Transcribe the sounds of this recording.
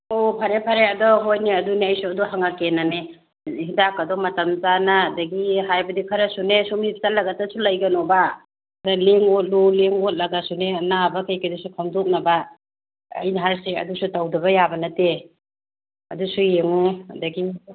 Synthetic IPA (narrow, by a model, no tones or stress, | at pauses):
opʰaɾepʰaɾeɐdɔɦojniɐduneɐjsuɐduhaŋakenane | hidakːɐdɔmɐtɐmzanaːdɐɡiɦajbɐdikʰaɾɐsunesumip̚tat̚lɐɡatasulɐjɡɐnɔba | daleŋot̚loleŋot̚lɐɡasunenabakajkɐdisukʰamdok̚nɐba̰ː | jnaɦaɾseɐ̰dusutawdɐbɐjabɐnɐte | ɐ̰dusujeŋuɐdɐɡi